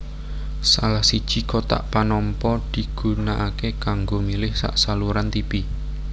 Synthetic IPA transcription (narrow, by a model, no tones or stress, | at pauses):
salahsid̥ʒ̥i̤kot̪a̰ʔpanɔmpɔd̪̥i̤ɡ̥ṳnaʔakekaŋɡomilɪhsa̰ʔsaluɾant̪ipi